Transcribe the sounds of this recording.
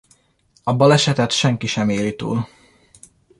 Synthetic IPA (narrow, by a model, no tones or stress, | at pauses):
ɒbɒlɛʃɛt̪ɛt̪ʃɛŋkiʃɛmeːlit̪ṵːl